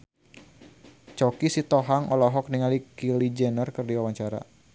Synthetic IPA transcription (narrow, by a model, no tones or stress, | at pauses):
t͡ʃɔkisit̪ɔɦaŋɔlɔɦɔk̚niŋalikilid͡ʒɛnərkɨrdiwawaɲt͡ʃaɾa̰